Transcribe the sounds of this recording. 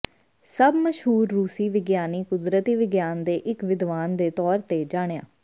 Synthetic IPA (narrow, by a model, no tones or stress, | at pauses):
səbməʃɦuːɾːuːsiːʋɪɡjaːniːkʊd̪ɾət̪iːʋɪɡjaːnd̪eːʔɪkʋɪd̪ʋaːnd̪eːt̪ɔːɾt̪eːd͡ʒaːɽeja̰ː